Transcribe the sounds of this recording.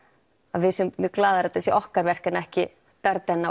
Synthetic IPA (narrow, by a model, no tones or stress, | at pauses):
aðvɪsʏmmʏklaːðaɾat̪θɛsɪʔɔhkaɾvɛr̥kɪnaɛhcɪ | pɛɾt̪ɛnːa